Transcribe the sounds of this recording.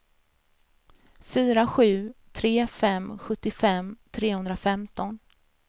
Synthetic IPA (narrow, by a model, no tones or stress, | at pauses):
fyːɾaɧʉ̟ːt̪ʰɾeːfɛmɧɵt̪ːɪfɛmːt̪ʰɾeːhɵnd̪ɾafɛmt̪ɔn